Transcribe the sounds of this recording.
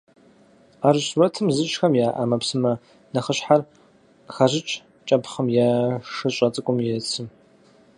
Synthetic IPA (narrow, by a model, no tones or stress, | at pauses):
aːrɕrɐtʰɨmzɨɕʼxɐmjaːʔa̰ːmɐpsɨmɐ | nɐχəɕħar | xɐʑɪt͡ʃʼ | t͡ʃʼɐpχəmjaʂɨɕʷʼɐt͡sʼɨkʷʼʊmjɛt͡sʰɨm